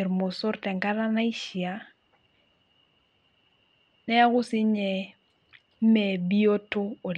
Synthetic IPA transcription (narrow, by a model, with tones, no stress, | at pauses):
ɾmo˨so˦ɾtɛ˨ŋka˦ɾa˦na˦i˦ʃi˨a˦ | nɛ˦a˦ɣʊ˦si˦ɲɛ˨ | m̩˦mɛ˨bi˦o˦to˦o˨l